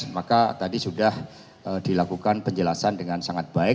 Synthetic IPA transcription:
makat̪adisudah | ədilakukanpəɲd͡ʒəlasandəŋansaŋat̪̚b̥aɪk

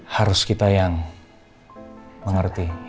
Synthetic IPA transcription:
haɾʊskit̪ajaŋ | məŋərt̪i

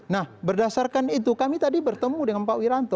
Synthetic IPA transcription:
nahbərdasarkanit̪ukamit̪adibərt̪əmudəŋanpawiɾant̪ɔ

